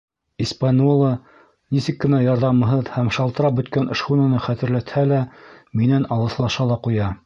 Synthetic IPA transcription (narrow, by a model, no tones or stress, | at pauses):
ispɑnʲolˠɑ | nisɘkːɘ̆næjɑɾðɑmɤ̆ɦɤðhæmʃɑlˠt̪ɤ̆ɾɑp̚bɵ̆t̪kænɤ̆ʃχunɑ̆nɤχæt̪ɘ̆ɾlæt̪hælæminænɑlˠɤ̆slˠɑʃɑlˠɑqujɑ